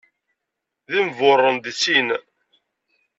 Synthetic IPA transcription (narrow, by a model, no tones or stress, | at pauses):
ðimvʊrˤːənd̪t͡sːin